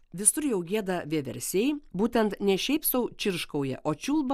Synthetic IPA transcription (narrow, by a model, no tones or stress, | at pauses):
ʋʲɪsʊɾjɛʊɡʲiɛd̪ɐʋʲiɛʋʲɛ̰ɾʲsʲeɪbuːt̪ʲɛnt̪nʲɛʃʲɛɪpsɐʊt͡ʃʲɪɾʃkɐʊjɛ̰ʔoːt͡ʃʲuːlˠbɐ